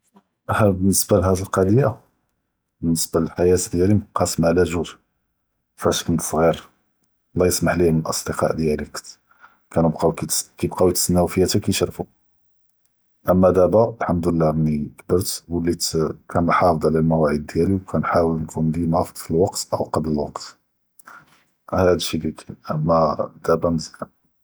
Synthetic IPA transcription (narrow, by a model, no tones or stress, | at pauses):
ʔhbənːəsbalɦæd̪əlqɑd̪əja | bənːəsbaləlħajæt̪d̪jælimqʰɑsmaʕlæʒuʒ | fæʃkənt̪sˤɣiɾ | lːæjəsmaħlihmənəlʔɑ̰sˤd̪əqɑ̰ʕd̪jælik | kænəbqɑwk̪kibqɑwit̪snːæwfəjæt̪ækijʃɾˤfu | ʔəmːæd̪æbaəlħamd̪əlːænikbəɾt̪wəlːikʰænħɑfd̪ˤʕlælmæwæʕəd̪̚ːjæliwkʰænħawəlnkʰund̪inɑfd̪ˤfilwɑqt̪ʔəwqɑbləlwɑ̰qt̪ | hæd̪əʃilikʰænʔəmːæd̪̥æbamzila